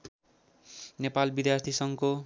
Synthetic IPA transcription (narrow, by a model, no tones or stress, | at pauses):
nepalbid̪jart̪ʰisʌŋko